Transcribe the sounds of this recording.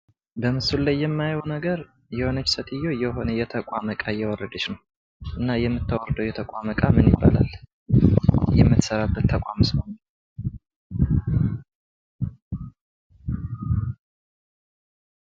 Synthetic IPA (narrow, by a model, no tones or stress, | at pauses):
bəmɨsullajːɛmːajownəɡəɾ | jɛhonət͡ʃːsət̪ʰɨjːojɛɦo̞nəjɛt̪ʰəkʼaməkʼajɛwɔrːəd̪ət͡ʃnəw | ʔɨnːajɛmːɨt̪ʰːəwɔrd̪əwjɛt̪ʰəkʼaməkʼamɨnjɪ̰bːa̰la̰lː | jɛmːɨt̪səɾabːət̪ʰːəkʷʼa̰mɨsmon